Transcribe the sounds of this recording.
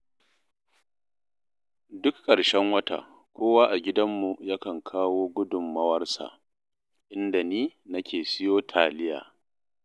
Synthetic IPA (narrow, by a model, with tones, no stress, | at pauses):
dʊ˦kkʼːɐ˨ɽʃɛ˦ŋwɐ˦ta̰˨ | kʷoː˦waː˦ʔa˨ɡʲɪ˦dɐ˦mːu˨ja˦kɐ˨ŋkʰaː˦woː˦ɡʷʊ˦dʊ˨mːɐ˦wɐ˦rsa̰˨ | ʔɪ˦nda˨niː˦nɐ˦kʲeː˨sɪ˦joː˦tʰaː˨lɪ˦ja̰ː˨